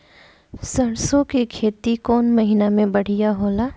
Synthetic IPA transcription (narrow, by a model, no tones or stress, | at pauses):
sɐɾsõkekʰeːt̪ikɔːnmɐɦinamẽbɐɽ̤ijaɦoːlaː